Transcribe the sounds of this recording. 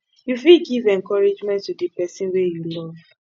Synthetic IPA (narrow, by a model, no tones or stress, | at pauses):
jufilɡivɛ̃ŋkɔɹid͡ʒmɛ̃ntːudipɛsĩnwejulɔv̥